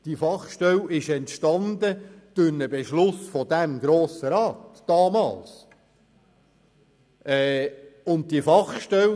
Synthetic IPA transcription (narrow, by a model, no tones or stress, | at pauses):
d̥ifɑχʃtɛlɪʃɛntʃtɑnd̪əd̪̥ʊnəbeʃlʊsfɔd̥̪æmɡɾoːsəɾɑːtd̥ɑːmɑ̰ːls | ʔɛʊnt̚tifɑχʃtɛl